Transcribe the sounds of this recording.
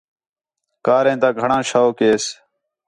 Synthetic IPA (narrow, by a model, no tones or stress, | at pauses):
kaːɾẽːt̪ãːɡʱəɳãːʃaoːkeːs